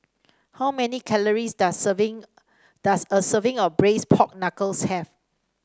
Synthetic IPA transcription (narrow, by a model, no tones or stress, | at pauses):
hawmɛnikʰɛləɹisdṽŋ | d̥asəsəvɪ̃ŋɔfbɹespʰɔk̚nakəlshɛv